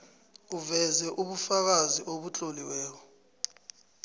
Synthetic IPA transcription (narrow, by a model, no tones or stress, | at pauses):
uvɛzɛʔuɓufak̬aziʔoɓut͡ɬʼoliwɛːk̬ɔ